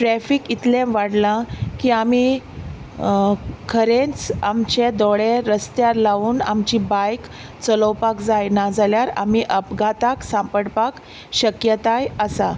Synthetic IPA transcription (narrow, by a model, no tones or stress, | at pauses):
ʈɾɛfikit̪lẽmʋaɽlãkiːami | kʰəɾẽnt͡samt͡ɕed̪ɔɭeɾəst̪jaɾlaʋuːnamt͡ɕibajk | t͡sələwpakd͡zajnad͡zaljaɾa̰m̤iʔəpɡʱat̪aksãmpəɽpak | ɕəkjət̪ajəsa